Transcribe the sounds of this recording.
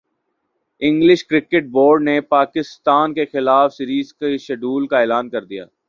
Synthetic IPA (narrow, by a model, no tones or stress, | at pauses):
ɪ̃ŋɡlɪʃkɾɪkɪʈ̚boːɾɖnepaːkɪst̪aːnkexɪlaːfsiɾiːzkeʃɐɖuːlkaeːlaːnkɐɾd̪ija̰ː